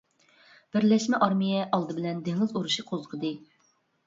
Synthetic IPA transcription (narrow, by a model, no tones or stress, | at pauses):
b̥ɪɾlɛʃmɛʔɑɾmijɛʔɑlˠd̪ɨbɪlɛnd̪eŋɪzuɾuʃiqʰozʁʰəd̪ɨ